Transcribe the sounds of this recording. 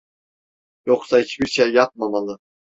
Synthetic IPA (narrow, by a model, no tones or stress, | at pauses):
joksahit͡ʃbiɾʃejːap̚mamalˠɯ